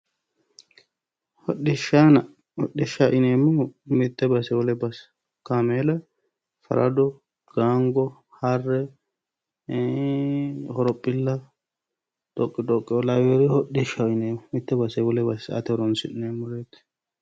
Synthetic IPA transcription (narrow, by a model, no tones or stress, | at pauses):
hɔɗːɪʃanɐ | hɔɗːɪʃaʔɪneːmːʊmɪt̪ːɛbɐsɛwɔlɛbɐs | kameːlɐ | fɐ̰ɾɐ̰d̪ɔ | ɡ̥aːŋɡɔ | hɐrːɛ | hɔɾɔpʼːɪlːɐ | d̪̥ɔkʼːɪd̪ɔkʼːɪɔlawɛɾɛhɔɗɪʃaɪneːmʊmɪt̪ːɛbɐsɛwɔlɛbɐsɐ̰t̪ɛɾɔnsɪ̰nɪneːmːʊɾeːt̪ː